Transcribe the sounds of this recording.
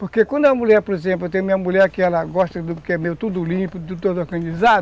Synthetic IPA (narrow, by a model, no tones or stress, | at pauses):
poɾkekwɐ̃nd̪ʊɐmulʲɛɾpoɾezẽmplewt̪ẽj̃umĩɲɐmulɛɾkɪɛlɐɡɔʃt̪ɐd̪ʊkɪɛmewt̪ud̪ʊlĩpʊt̪ud̪t̪od̪ɐɾɡɐ̃nd͡ʒizad̪